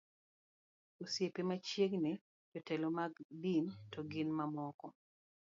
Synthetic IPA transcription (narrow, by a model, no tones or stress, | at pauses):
osjepemat͡ʃeɡne | d͡ʒɔtɛlomaɡdintɔɡɪnmamɔkɔ